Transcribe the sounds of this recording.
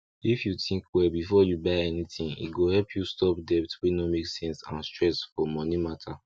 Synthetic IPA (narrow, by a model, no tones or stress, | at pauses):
ifjutʰĩŋkwɛbifɔjubaɪɛnitĩnḭɡohɛlpʰjustɔpdɛp̚twinomeksɛ̃nsã̰nstɹɛsfɔmɔnimatʰa